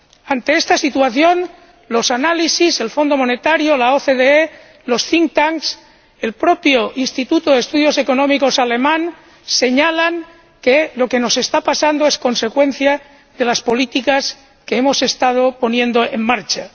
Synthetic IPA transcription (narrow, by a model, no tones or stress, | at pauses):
ant̪e̞est̪asit̪uaθjo̞n | lo̞sanalisise̞lfo̞nd̪o̞mo̞ne̞t̪aɾjo̞laoθeðee | lo̞sθiŋt̪aŋs | e̞lpɾo̞pjoʔinst̪it̪ut̪oðest̪uðjo̞se̞ko̞nõ̞miko̞sale̞mãn | se̞ɲalaŋ | kelo̞ke̞no̞se̞st̪apasand̪oe̞sko̞nse̞kwẽ̞n̟θja | ðe̞laspo̞lit̪ikas | keemo̞se̞st̪að̞o̞po̞njẽ̞nd̪o̞eŋmaɾt͡ʃa